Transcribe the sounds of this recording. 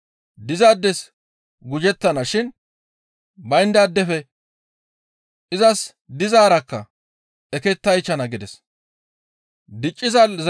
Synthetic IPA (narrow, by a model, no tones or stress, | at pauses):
d̪ɪzaːd̪ːɛs | ɡʊd͡ʒɛt̪ːɐnɐʃɪn | bɐjɪnd̪ad̪ːɛfɛ | ʔɪzɐs | d̪ɪzaːɾɐkːɐ | ɛkɛt̪ːɐjt͡ʃːɐnɐɡɪd̪ɛs | d̪ɪt͡ʃʼːɪzɐlz